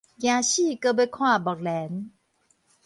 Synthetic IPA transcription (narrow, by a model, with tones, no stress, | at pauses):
kjã˨˧ɕi˥˨kə˧be˧kʰwã˥˨ba˨k̚lɛ˨˦n